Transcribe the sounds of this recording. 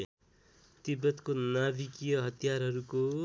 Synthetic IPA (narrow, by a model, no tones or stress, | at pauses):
t̪ibʌt̪konabikijʌɦʌt̪ijarɦʌɾuko